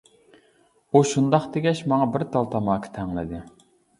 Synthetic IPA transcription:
uʃund̪ɑχd̪eɡʲɛʃmɑŋɑbɪɾt̪ʰɑlˠt̪ʰɑmɑːkʰə̥t̪ʰɛŋlˠɪ̰d̪ɪ

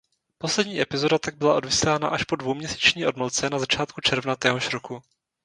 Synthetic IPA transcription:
po̞slɛdɲiːʔɛpɪzo̞dat̪aɡ̚bɪlaʔo̞dvɪslaːna̰ʔaʃpo̞dvowmɲɛsi̥ːt͡ʃɲiːʔo̞dmolt͡sɛnazat͡ʃaːt̪kut͡ʃɛɾvnat̪ɛːɦo̞ʃɾoku

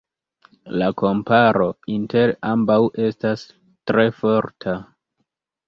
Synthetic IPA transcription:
lako̞mpaɾo̞inte̞ɾambawʔe̞stas | tɾe̞fo̞ɾtʰa

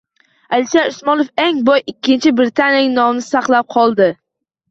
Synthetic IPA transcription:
alɪʃaɾʊsmɒnofeŋbɒjɪkʲʰːɪnt͡ʃʰɪbɾɪt̪ʰanʲjnnɒmnɪsaqlˠap̚qʰɒlˠd̪ɪ

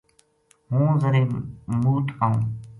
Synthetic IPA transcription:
ɦũːzəɾẽːmuːt̪aːɦũː

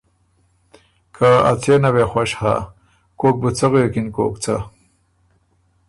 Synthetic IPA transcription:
kʰaa̰t͡senawexwaɕha̰ | koːk̚but͡saɣookinko̰ːkt͡sa

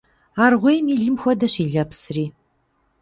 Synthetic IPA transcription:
aːrʁʷejmiːɮɨmxʷɔdɐɕiːɮɐpsriː

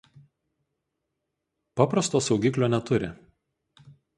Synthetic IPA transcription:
pɑpɾɐst̪oːsɒʊɡʲiklʲoːnʲɛt̪ʊɾʲɪ̰

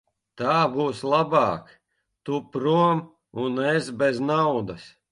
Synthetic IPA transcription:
t̪aːbuːslˠabɑːk | t̪upɾuɔm | unɛsbeznawd̪ɐs

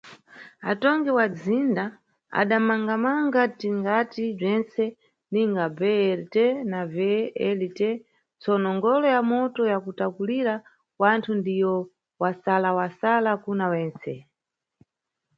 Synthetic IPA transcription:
atɔŋɡɛwad͡zinda | a̰ɗamaŋɡamaŋɡatiŋɡatib͡ʐɛnsɛ | niŋɡabɛɛltɛnavɛɛlitɛ | t͡sɔnɔŋɡɔlɔjamɔtɔjakutakuliɾa | wantʰundijɔ | wasalawasalakunawɛːnt͡sɛ

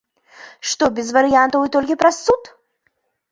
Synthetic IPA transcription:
ʂt̪ɔbʲɪzvɐɾɨjant̪ɐvɨt̪olʲkʲɪpɾɐsːut̪

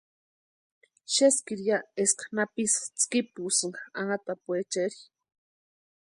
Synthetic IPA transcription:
ʃeskiɾjaeskḁnapist͡skipusɨŋaaŋat̪apuet͡ʃeɾi

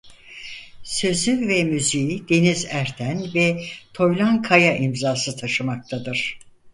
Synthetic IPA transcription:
sø̞zyvɛmyzijid̪̥e̞nizæɾt̪ʰænvɛt̪ʰo̞jlˠankʰajaʔimzaːsɯt̪ʰaʃɯmak̚t̪ʰad̪ɯɾ̥

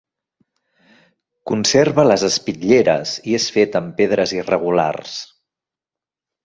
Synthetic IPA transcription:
kunseɾβələzəspiʎeɾə̰ziesfet̪əmpeðɾəzirəɣ̞ula̰rs

